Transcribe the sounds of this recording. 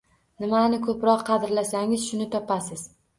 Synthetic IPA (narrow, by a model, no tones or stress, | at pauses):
nɪmanɪkʰɵpɾɒqʰːɑd̪ɪɾlasaŋɪzʃʊnɪt̪ʰɒpʰasɪz̥